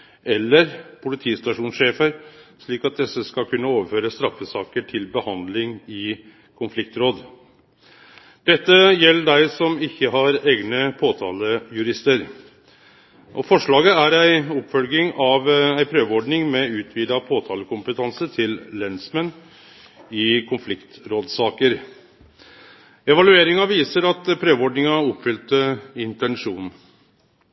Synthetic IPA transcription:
ɛlːəɾpʰʊlɪt̪ʰiːst̪ɑʂuːnsʂeːfəɾʂɭiːkɑt̪̚d̪ɛsːəskɑkʰʉnːəoːʋəɾføːɾəst̪ɾɑfəsɑːkəʈʰɪlbəhɑnd̪lɪŋɪ | kʰʊnflɪk̚t̪ɾoːd̪ | d̪̥ɛt̪ːəjɛlːəɖæɪsɔmɪçːəɦɑɾeːɡnəpʰoːt̪ʰɑːləjʉɾɪst̪əɾ | ʔɔfɔʂɭɑːɡəæɾæɪʊpfœlɡɪŋɑʋæɪpʰɾøːʋɔɖɳɪŋmɛʉːt̪ʰʋiːd̪ɑpʰoːt̪ʰɑːləkʰʊmpət̪ʰɑnsət̪ʰɪllɛnsmɛn | ɪkʰʊnflɪkt̪ɾoːd̪sɑːkəɾ | ɛʋɑlʉeːɾɪŋɑʋiːsəɾɑt̪pʰɾøːʋɔɖɳɪŋɑɔpfʏlt̪əɪnt̪ɛnʂuːn

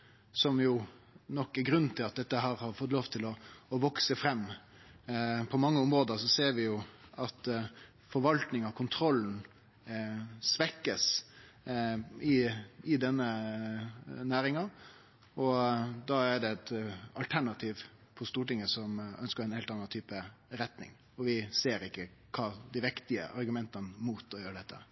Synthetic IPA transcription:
sɔmjʊnɔkːɛɡɾʉnːt̪ʰɪlɑt̪̚d̪ɛt̪ːəɦɑɾhɑɾfɔt̪ːloːʋt̪ʰɪlɔʋɔksəfɾɛmː | pʰɔmɑŋːəʊmɾoːd̪əɾsɔseːɾʋɪjʊɑt̪ | fɔɾʋɑlt̪nɪŋɑkʰʊnt̪ʰɾɔlːn̩ | sʋɛkːəs | ɪɪd̪ɛnːə | næːɾɪŋɑ | ɔd̪ɑæɖɛɛt̪ɑ̰lt̪ʰæɳɑt̪ʰiːʋ | pʰɔst̪uːʈɪŋːəsɔmœ̰nskəɾɛnheɪlt̪ɑnːɑnt̪ʰyːpəɾɛt̪nɪ̰ŋ | ɔʋɪseːɾɪkːə | kʰɑːd̪ɪʋɪkt̪ɪə̰ʔɑɾɡʉmɛnt̪ɑnəmuːt̪ɔjøːɾəɖɛt̪ʰːə̰

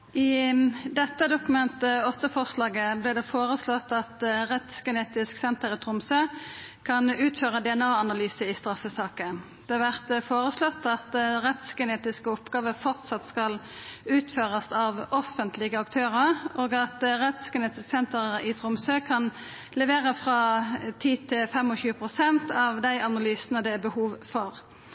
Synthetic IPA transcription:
ɪd̪ɛt̪ːəd̪ʊkʉmɛnt̪əɔt̪ːəfɔʁslɑːɡəblɛːd̪ɛfoːʁəslɔt̪ɑt̪ʁɛt̪sɡɛneːt̪ɪsksɛnt̪əʁɪt̪ʰʁʊmsøː | kʰɑnʉːt̪føːʁəd̪ɛɛnɑːɑnɑlyːsəɪst̪ɾɑfːəsɑːkə | d̪̥ɛːɑʋæʁt̪foːʁəslɔt̪ːɑt̪ʁɛt̪sɡəneːt̪ɪskəɔpɡɑːʋəfɔʁt̪sɑt̪skɑl | ʉːt̪føːʁɑsɑʋɔfənt̪lɪɡəɑkt̪ʰøːʁəʁʔoːɡɑt̪ʁɛt̪sɡɛneːt̪ɪsksɛnt̪əʁɪt̪ʰʁʊmsøːkʰɑn | lɛʋeːʁəfʁɑːt̪ʰiːt̪ʰɪlfɛmɔçʉːəpʰʁʊsɛnt̪ɑʋd̪æɪʔɑnɑlyːsənəd̪ɛæbəhuːʋfɔʁ

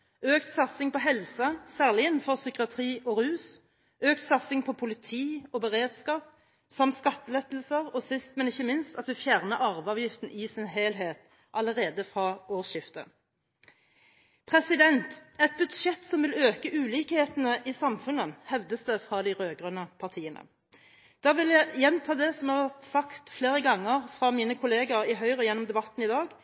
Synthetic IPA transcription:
øːkt̪sɑt̪sɪŋpɔɦɛlsɑsæːʁlɪənfɔʁsʏkɪɑt̪ʰʁiːʔɔʁʉːs | øːkt̪sɑt̪sɪŋpʰɔpʰʊlɪt̪ʰiːɔbəʁeːd̪skɑːp̚ | sɑmt̪skɑt̪ːəlɛt̪ːəlsəʁɔsɪst̪mɛnɪçːəmɪnst̪ɑt̪ʋɪfjæːʁnəɑːʋɑːʋjɪft̪n̩ʔɪsɪnɦeːlɦeːt̪ | ʔɑləʁeːd̪əfʁɑːoːʁʃɪft̪ə̰ | pʰʁɛsɪd̪ɛnt̪ɛt̪̚bʉd̪ʃɛt̪sɔmʋɪløːkəʔʉːliːkheːt̪ənəʔɪsɑmfʉnəhɛʋd̪əsd̪ɛfʁɑd̪ɪʁøːɡʁœnəpʰɑʁt̪ʰiːənə̰ | d̪̥ɑːʋɪljæɪjɛnt̪ʰɑːd̪ɛsɔmhɑʁʋæʁt̪sɑkt̪fleːʁəɡɑŋːəʁfʁɑːmiːnəkʰʊleːɡɑʁɪɦœʏʁəjɛnːɔmd̪ɛbɑt̪ːn̩ɪd̪ɑːɡ

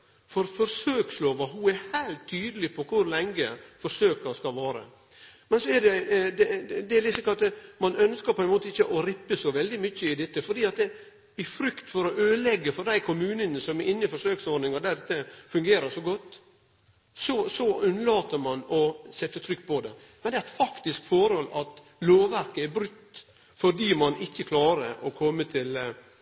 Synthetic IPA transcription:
fɔɾfɔɾsøːksloːʋɑɦuæɾhæɪlt̪ʰːyːd̪əlɪpʰɔkʰʊɾlɛŋɡəfɔʂøːkəɾskɑlʋɑːɾə̰ | mɛnsɔɛɖ̪ɛd̪ɛd̪ɛæɾlɪsɪkːɑlt̪mɑnœnskəɾpʰɔɛnmoːt̪əɪçːəʔɔɾɪpːəsɔʋɛld̪ɪmʏçːəɪd̪ɛt̪ːəfɔɖiːɑt̪̚d̪ɛ | ɪfɾʏkt̪fɔɾɔʔøːlɛɡːəfɔɾd̪æɪkʰʊmʉːnənəsɔmɛɾʔɪnːɪfɔʂøːksɔɖnɪŋɑd̪æd̪ɛt̪ːəfʉŋɡeːɾəʂɔɡɔt̪ː | sɔsɔʉnəlɑːt̪əɾmɑnɔsɛt̪ːət̪ʰɾʏkːpʰɔd̪ɛ̰ | mɛnd̪ɛææfɑkt̪ɪskfɔɾhɔlːɑt̪ | loːʋʋæɾkəæɾbɾʉkt̪ː | fɔɖiːmɑnʔɪçːəkʰlɑːɾə̰ʔɔkʰɔmːət̪ʰɪl

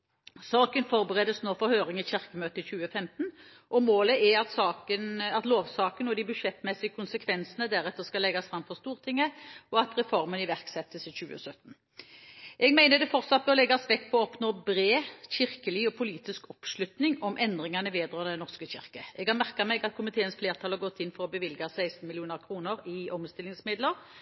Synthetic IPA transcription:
sɑːkənfɔʁbəʁɛːd̪əsnoːfɔɾhøːɾɪŋɪçɪʁkəmøːt̪əçʉːəfɛmt̪n̩ | ʔɔmoːləɛɑt̪sɑːkənɑt̪loːʋsɑːkənɔd̪ɪbʉʂɛt̪mɛsɪəkʰʊnsəkʰʋɛnsənəd̪æɾɛt̪ːəʁskɑlɛɡɑsfɾɑmfɔʁst̪uːʁt̪ʰɪŋːəɔɑt̪ʁɛfɔɾmənɪʋæʁksɛt̪ːəsəçʉːə̰sœt̪n̩ | ʔɛɡmæɪnəd̪ɛfɔʁt̪sɑt̪̚bøʁlɛɡːɑsʋɛkːpʰɔɔɔpnoːbɾeːçɪʁkəlɪɔpʰʊliːt̪ɪskɔpʂlʉt̪nɪŋɔmʔɛnd̪ʁɪŋɑnəʋeːd̪ʁɑːnəd̪ɛnɔʁskəçɪ̰ʁkəɛɡhɑʁmæʁkɑmɛɡɑt̪̚kʰʊmɪt̪ʰeːənsfleːʁt̪ʰɑlhɑʁɡɔt̪ːɪnfɔʁɔbəʋɪlɡɑsæɪst̪n̩mɪlɪuːnəʁkʰɾuːnəɾɪɔmst̪ɪlːɪŋsmɪd̪ləʁ

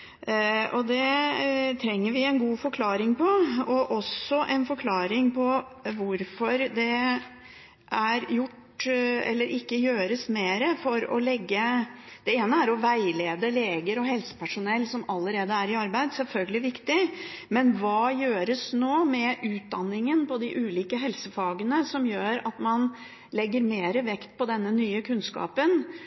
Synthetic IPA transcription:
ʔɔd̪ɛ | t̪ʰɾɛŋːəɾʋɪɛnɡuːfɔɾkʰlɑːɾɪŋpʰɔɔʔɔsɔʔɛnfɔɾkʰlɑːɾɪŋpʰɔ | ʋʊɾfɔɾd̪ɛ | ʔæɾjʊʈ | ɛ̰lːəɾʔɪkːəjøːɾəsmeːɾəfɔɾɔ̰lɛɡːə | d̪̥ɛeːnəæɾɔʋæɪleːd̪əleːɡəɾɔɦɛlsə̥pʰæʂʊnɛlːsɔmɑlːəɾeːd̪əæɾɪɑɾbæɪd̪sɛlfœlɡəlɪʋɪkt̪ɪmɛnʋɑːjøːɾəsnoːmɛʔʉːt̪̚d̪ɑnːɪŋənpɔd̪ɪʔʉːliːkəɦɛlsəfɑːɡənəsɔmjøːɾɑt̪mɑn | lɛɡːəɾmeːɾəʋɛkt̪̚pɔd̪ɛnːənyːəkʰʉnskɑ̰ːpən

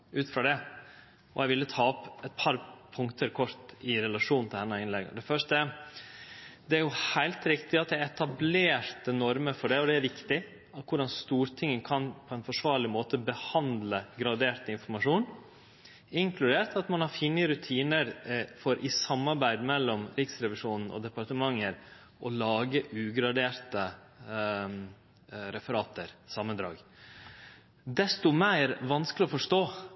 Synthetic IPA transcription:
ʉːt̪fɾɑd̪ɛ | ɔ̰ɛɪʋɪlːət̪ʰɑːɔpɛt̪̚pʰɑɾpʰʊŋkt̪ʰəɾkʰɔɾt̪ɪɾɛlɑʂuːnn̩t̪ʰɪld̪ɛnːəɪnlɛɡɑ̰d̪ɛfœʂtə | d̪ɛæɾjʊhæɪlt̪ɾɪkt̪ɪɑt̪̚d̪ɛɾɛt̪ɑbleːɾt̪ənɔɾməɾfɔɖɛɔd̪ɛæɾʋɪkt̪ɪ | ɑkʊɖɑnst̪uːɾt̪ʰɪŋːəkʰɑnpʰɔɛnfɔʂʋɑːɾɭɪmoːt̪əbəhɑnd̪ləɡɾɑd̪eːɾt̪ɪnfɔɾmɑʂuːn | ɪŋkʰlʉd̪eːɾt̪ɑt̪mɑnhɑɾfɪnːəɾʉt̪ʰiːnəɾfɔɾʔɪsɑmːɑɾbæɪd̪mɛlːɔmɾɪksɾɛʋɪʂuːnn̩ʔɔ̰d̪ɛpɑɾt̪əmɑŋːəɾ | ʔɔlɑːɡəʔʉːɡɾɑd̪eːɾt̪ə | ɾɛfəɾɑːt̪əɾsɑmːənd̪ɾɑ̰ːɡ | d̪ɛst̪ʊmæɪɾʋɑnskəlɪɔfɔʂʈ̪oː

